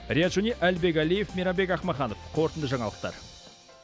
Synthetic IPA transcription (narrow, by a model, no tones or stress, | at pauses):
ɾʲijat̪ʒoniʔælbe̞k̬ʲælijefmiɾɑbe̞kɑχmɑχɑnofqʰo̞ɾt̪ənd̪əʒɑɴɑlˠəq̚t̪ɑ̰ɾ